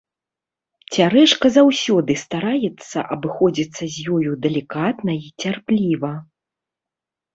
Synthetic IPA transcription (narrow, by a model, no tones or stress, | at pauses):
t͡sʲaɾɛʂkɐzawsʲɔd̪ɨst̪aɾajɛt̪sːɐ̰ʔɐbɨxɔd͡zʲit̪sːɐzʲjɔjud̪ɛlʲikat̪nɐit͡sʲarplʲivɐ